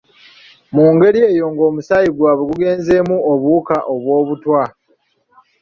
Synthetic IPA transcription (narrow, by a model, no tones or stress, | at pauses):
muːŋɡe̞ɾie̞ːjo̞ŋɡo̞ːmusajiɡwaːβweɡuɡe̞ːnze̞muoβuːkaʔo̞βwo̞ːβutwa